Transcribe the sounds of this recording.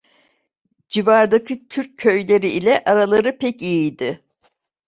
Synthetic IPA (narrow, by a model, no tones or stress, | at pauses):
d͡ʒivaɾd̪acʰit̪ʰyɾcʰːø̞jlʲe̞ɾiʔilʲɛʔaɾalˠaɾɯpʰɛcijijd̪ɪ